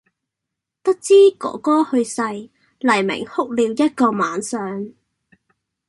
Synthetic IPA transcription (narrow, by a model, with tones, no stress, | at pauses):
t̪ɐ˥k̚t͡siː˥kɔ̰ː˨˥kɔː˥hɵ˧ɥsɐ˧j | lɐ˨˩jmɪ̰˨˩ŋhʊ˥k̚liː˧wjɐ˥t̚kɔː˧maː˨˥nsœː˨ŋ